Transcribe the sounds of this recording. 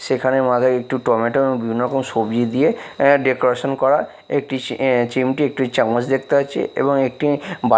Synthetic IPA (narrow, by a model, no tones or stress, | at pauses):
ʃekʰanemad͡ʑ̪ʱakek̚ʈiʈɔmeʈeboŋbibʱinːɔɾɔkomʃobd͡ʑid̪ijeɖekoɾaʃonkɔɾa | ek̚ʈit͡ɕimʈiek̚ʈit͡ɕamot͡ɕd̪ek̚t̪eɦat͡ɕʰḛʔḛboŋek̚ʈiba